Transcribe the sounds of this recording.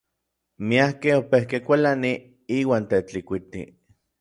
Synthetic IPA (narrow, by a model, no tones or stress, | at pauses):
miahkehopehkekʷalani | iːwaːnt̪et͡ɬikʷit̪ḭ